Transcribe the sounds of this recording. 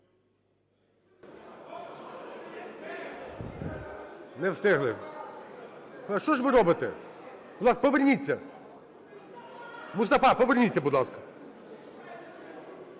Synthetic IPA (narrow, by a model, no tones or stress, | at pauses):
nɛwst̪ɪɦlˠɪ | ʃt͡ʃɔʒʋɪɾɔbɪt̪ɛ̰ | bʊd̪lˠɑskɐpɔʋernʲit͡sʲːɐ | mʊst̪ɐfɑpɔʋernʲit͡sʲːɐbud̪lˠɑskɐ̥